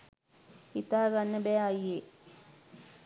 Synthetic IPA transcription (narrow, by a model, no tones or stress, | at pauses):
it̪aːɡanːəbɛːajːe